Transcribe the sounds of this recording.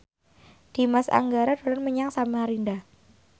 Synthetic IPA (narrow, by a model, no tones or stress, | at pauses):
d̥i̤masa̰ŋɡaɾad̥o̤lanməɲaŋsamaɾinda